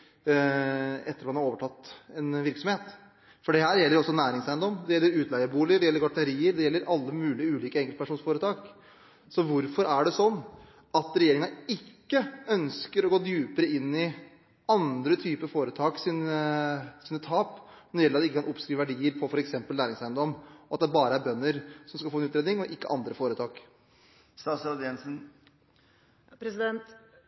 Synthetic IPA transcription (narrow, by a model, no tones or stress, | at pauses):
ɛt̪ːəɾɑt̪mɑnhɑɾoːʋəʈʰɑt̪ːɛnʋɪɾksɔmheːt̪ | fɔɖɛhæːɾjɛlːəɾɔsːɔnæːɾɪŋsæɪənd̪ɔmd̪ɛjɛlːəɾʉːt̪ʰlæɪəbuːlɪəɖ̪ɛjɛlːəɾɡɑʈəɾiːəɾd̪ɛjɛlːəɾɑlːəmʉːlɪʉːliːkəɛŋkəlt̪pæʂuːnsfoːɾət̪ʰɑːk | sɔʋʊɾfɔɾæɖɛsɔnː | ɑt̪ɾɛjeːɾɪŋənɪkːəœnskəɾɔɡoːd̪jʉːpəɾəɪnːɪ | ɑnd̪ɾət̪ʰyːpəfoːɾət̪ʰɑːksiːnəsiːnət̪ʰɑːp | nɔɾɪjɛlːɑt̪ɛɪkːəkʰɑnʔɔpskɾiːʋæɖiːəɾpʰɔfɔɾɛksɛmpəllæːɾɪŋsæɪənd̪ɔmːɔɑt̪̚d̪ɛbɑːɾəæɾbœnːəɾsɔmskɑlfoːɛnʉːt̪ɾeːd̪nɪŋɔʔɪkːə̰ʔɑnd̪ɾəfoːɾət̪ʰɑːk | st̪ɑːsɾɑd̪ɛnsn̩ | pɾɛsɪd̪ɛnt̪